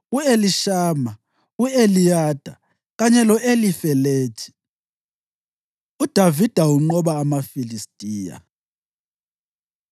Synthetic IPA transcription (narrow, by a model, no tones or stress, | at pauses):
ueliʃaːma | uelijaːd̥ʱa | ɣaɲɛlɔʔelifɛleːt͡ʃʰʼi̥ | ud̥ʱavid̥ʱauŋ͡ǃɔβaːmafilistʼiːja̰